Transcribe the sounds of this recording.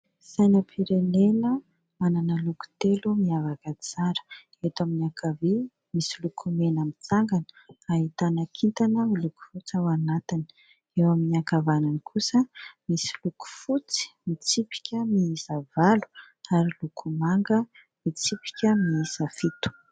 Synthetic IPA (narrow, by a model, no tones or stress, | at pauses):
sajnəpʰiɾenenə | mananəluku̥t̪elumiavakat͡saɾə̥ | et̪aminakʰavi | misilukʰumenamit͡saŋɡanə̥aɦit̪anakʰint̪anəmiluku̥fut͡sawanat̪ini̥ | ewaminiakavananikʰusəmisiluku̥fut͡si̥mit͡sipi̥kʲəmiizavalu̥ | aɾilukʰumaŋɡə | mit͡sipi̥kʲəmiizafit̪u̥